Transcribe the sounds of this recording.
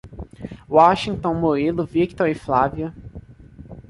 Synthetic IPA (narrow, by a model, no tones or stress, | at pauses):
waʃĩŋt̪õnmoɾilʊvikt̪ɔɾɪflaviɐ